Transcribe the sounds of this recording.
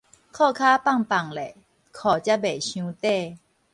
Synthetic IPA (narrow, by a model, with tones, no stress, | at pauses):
kʰɔː˥˧˨kʰaː˦˥pa˥˨ŋpa˨˩ŋlɛ˨ | kʰɔ˨˩t͡ɕja˦˥be˨˩ɕjũ˧˦t̪e˥˨